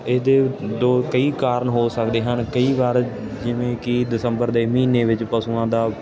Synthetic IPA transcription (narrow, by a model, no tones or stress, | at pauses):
ɪːd̪eːd̪oːkəiːkaːɾəɳɦoːsəkd̪eːɦənkəiːʋaːɾ | d͡ʒɪʋẽːkɪd̪ɪsəmbəɾd̪eːmiːneːʋɪt͡ʃpəsuːãːd̪aː